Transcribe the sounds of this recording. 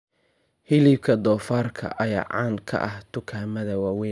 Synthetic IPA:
hɪlib̚kʰɐd̪ɔːfaːrkʰɐ̰ʔɐja̰ːʕɑːnkʰɐ̰ʔɐht̪ʰʊkʰaːmɐðɐwɑːwɛ

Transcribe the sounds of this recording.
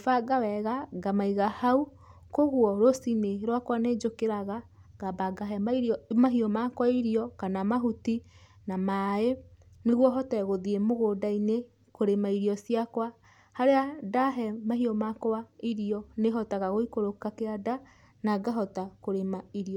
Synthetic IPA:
faɡawɛɣaɡamaiɣahau | koɣwɔɾosineɾwakwaned͡ʒokeɾaɣa | ɡ̥abaɡaɦɛaimaɦiɔmakwaiɾiɔkanamaɦuti | namae | neɣwɔɦɔtɛɣoðiemoɣodaine | koɾemaiɾiɔsiakwa | haɾeadaɦɛmaɦiɔmakaiɾiɔneɦɔtaɣaɣoikoɾokakeada | naɡaɦɔtakoɾemaiɾiɔ

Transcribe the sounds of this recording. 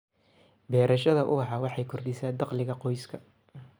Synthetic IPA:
bɛːɾʔɐʃɐðɐʔʊ̰ɑħɑwɑħɑjkʰɔrd̪ɪsaːd̪ɑqlɪɣɐqɔjskʰɐ

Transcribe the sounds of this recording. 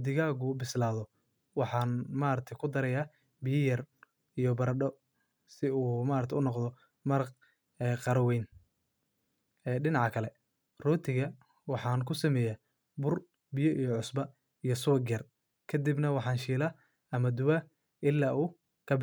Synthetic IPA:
d̪ɪɣaːɣʊbɪslaːðɔ | wɑħɑːnmaːɾɐt̪ʰɐjkʰʊd̪ɐɾɐjaː | bɪjɐjɐr | ijɔbɐɾɖɔ | sɪuːmaːɾɐt̪ʰɛʊnɔqd̪ɔ | mɐɾq | ɛːqɑɾɐwɛjn | ɛːɖɪnɑʕɑkʰɐlɛ | rɔːt̪ʰɪɣɐ | wɑħɑːnkʰʊsɐmɛːja | bʊr | bɪjɔʔijɔʕʊsbɐ | ijɔsʊɐɡjɐr | kʰɐd̪ibnɐwɑħɑːnʃiːlɐ | ɐmɐd̪ʊwɐ | ɪlːaːʔuː | kʰɐb

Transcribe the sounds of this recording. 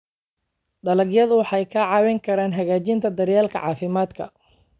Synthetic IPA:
ɖɐlɐɡjɐðʊwɑħɑjkʰɐʕɑːwɛŋkʰɐɾaːnɦɐɣaːt͡ʃɪnt̪ʰɐd̪ɐrjaːlkʰɐ̰ʕɑ̰ːfɪmaːd̪kʰɐ̰

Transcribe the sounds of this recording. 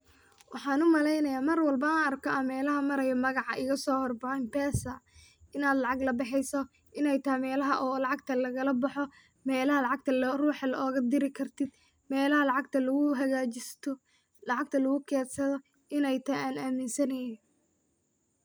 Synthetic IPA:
wʔɑħɑːnʊmɐlɛjnɐjaːmɐrwɐlbɐaːnɐrkʰɔɐmɛːlɐɦɐmɐɾɐjɐmɐɣɑʕɑ̰ʔɪɣɐsɔːhɔrbɑʕɛmbɛːsɐ | ɪnaːd̪lɑʕɑɡlɐbɪħɪjsɔ | ʔɪnɛjt̪ʰɐmɛːlɐɦɐʔɔːlɑʕɑɡ̚t̪ʰɐlɐɣɐlɐbɑħɔ | mɛːlɐhɐlɑʕɑɡ̚t̪ʰɐlruːħɑlɔːɣɐd̪ɪɾɪkʰɐrt̪ʰɪd̪ | mɛːlɐɦɐlɑʕɑɡt̪ʰɐlɐɣʊɦɐɣaːt͡ʃɪst̪ʰ | lɑʕɑɡ̚t̪ʰɐlɐɣʊkʰɛːd̪sɐðɔ | ɪnɛjt̪ʰɐaːnaːmɪnsɐnɐjɪ

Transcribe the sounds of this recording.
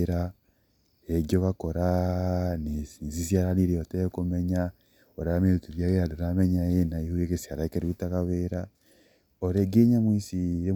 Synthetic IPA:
ɾa | eɡoβakoɾa | nesinsisjaɾaniɾeoteekumeɲa | oɾaameɾutuβjaɣeadoɾameɲajenaihujekesiaɾaekeɾiβutakaβeɾa | oɾeɡeɲamwiːsiɾe

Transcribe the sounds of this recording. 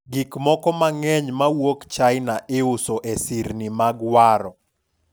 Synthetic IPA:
ɡikmɔkɔmaŋɛɲmawokt͡ʃaɪnaʔɪʊsoʔesiɾnimaɡwaɾɔ

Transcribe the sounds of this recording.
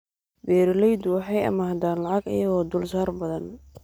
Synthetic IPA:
bɛːɾɪlɛjd̪ʊwɑħɑjɐ̰maːd̪aːnlɐʕɑɡɐ̰jɐɣɔːd̪ʊlsaːrbɐðɐn

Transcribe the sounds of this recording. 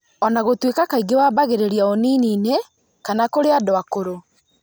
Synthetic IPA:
ɔnaɣotwekakaiɡewabaɣeɾeɾiaoniːniːne | kanakoɾeadoakoɾo

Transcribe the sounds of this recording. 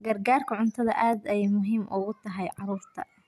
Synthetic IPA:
ɡɐrɡaːrkʰɐʕʊnt̪ʰɐðɐʔaːd̪ɛjmʊɦiːmʔʊɣʊt̪ʰɐɦɛjʕɑɾuːrt̪ʰɐ̰

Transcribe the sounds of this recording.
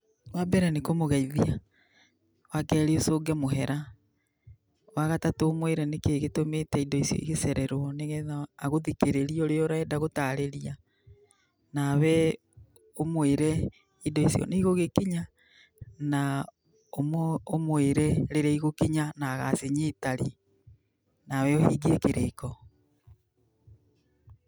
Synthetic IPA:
wabɛɾɛnekomoɣaiðia | wakɛɾeosoːɡɛmoɦɛɾa | waɣatatoomweɾɛnekeɣetometɛidɔisijɔ̰iɣesɛɾɛɾwɔneɣɛaːɣoðikeɾeɾioɾeɔɾaɛdaɣotaɾeɾia | naβɛ | omweɾɛ | idɔisijɔ̰neiɣoɣekiɲa | na | omoomweɾɛɾeɾaiɣokiɲanaːɣaseɲitaɾi | nawɛohiːɡiekeɾekɔ

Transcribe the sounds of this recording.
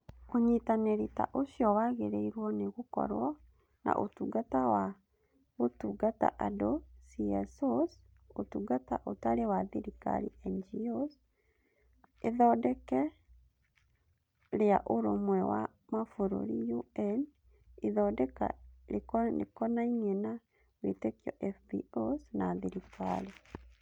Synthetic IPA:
oɲitaneɾita̰ʔoɕjɔwaɣeɾeiɾwɔneɣokɔ̰ɾwɔ | na̰ʔotuɡatawa | ɣotuɡata̰ʔadosiɛsos | otuɡata̰ʔotaɾewaðiɾika̰ɾḭɛnd͡ʒios | eðɔdɛkɛ | ɾeaʔoɾomwɛwa̰ | mafoɾo̰ɾijuɛn | eðɔdɛka̰ekḛkɔnaiŋena | wetekjɔ̰ʔɛfbḭosnaðiɾika̰le

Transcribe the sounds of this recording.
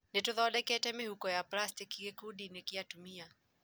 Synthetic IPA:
nituðɔɔɗɛkɛtɛmihukɔjaplastikiɡekuɗinikiatumia

